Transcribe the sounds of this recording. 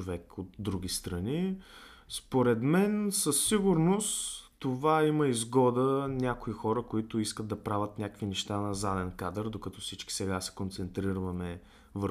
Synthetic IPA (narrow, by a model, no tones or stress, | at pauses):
ovɛkot̪d̪ɾuɡ̟ʲist̪ɾɐni | spoɾɛd̪mɛnsəsːiɡʊɾnost̪ovaiməizɡɔd̪ənʲakoixɔɾəkoit̪ʊiskəd̪d̪ɐpɾavʲət̪nʲakəkvinɛʃt̪anɐzad̪ɛnkad̪əɾd̪okɐt̪ɔfsit͡ʃki̥sɛɡasɛ̥kont̪sɛnt̪ɾiɾvɐmɛ | vəɾ